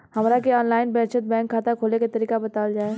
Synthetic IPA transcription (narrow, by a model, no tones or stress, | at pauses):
hɐmɾakeɔːnlaːɪnbɛ̃ːtʃət̪̚bɛ̃ːŋkʰːaːt̪akʰoːleket̪əɾiːkabɐt̪aːld͡ʒaːeː